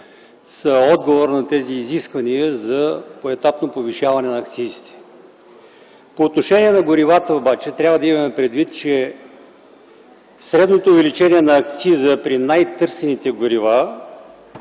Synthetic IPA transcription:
səɔd̪ɡovoɾnɐt̪ɛziːziskvɐniəzɐpoɛt̪apnopoviʃavɐnɛnɐːkt̪sizit̪ɛ̥ | poːt̪noʃɛniɛnɐɡʊɾivat̪əobat͡ʃɛt̪ɾʲavɐd̪ɐimɐmɛpɾɛd̪vit̪t͡ʃɛ | sɾɛd̪not̪oːvɛlit͡ʃɛniɛnɐːk̚t̪sizəpɾinajt̪ɤɾsɛnit̪ɛɡʊɾiva

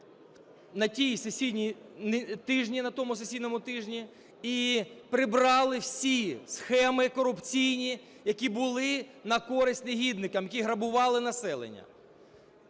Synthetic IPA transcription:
nɐtʲijsesʲid̪ʲnʲint̪ɪʒnʲinɐt̪ɔmʊsesʲid̪nɔmʊt̪ɪʒnʲi | ipɾɪbɾɑlˠɪwsʲisxɛmɪkɔɾʊpt͡sʲijnʲi | jɐkʲibʊlˠɪnɐkɔɾɪsʲtʲneɦʲid̪nɪkɐmjɐkʲiɦɾɐbʊʋɑlˠɪnɐsɛlˠḛnʲːɐ̰

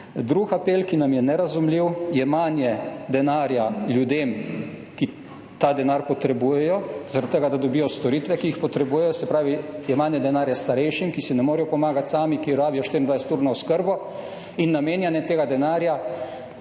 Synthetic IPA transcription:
d̪ɾukapeːlkinamjɛnɛɾazumliwjɛmanjɛd̪ɛnaːɾjaljud̪eːmki | t̪aːd̪ɛnaɾpɔt̪ɾɛbujɛjɔz̥aɾat̪ːəɡad̪ad̪ɔbiːjɔst̪ɔɾiːt̪ʋɛkiixpɔt̪ɾɛbuːjɛjɔsɛpɾaːʋijɛmanjɛd̪ɛnaːɾjast̪aɾɛjʃimkisinɛmoːɾɛjɔpɔmaːɡat̪saːmikiɾaːbijɔʃt̪iɾind̪ʋajsɛ̥t̪uːɾnɔɔskəɾbɔ | inːameːnjɛnjɛt̪eːɡad̪ɛnaːɾja

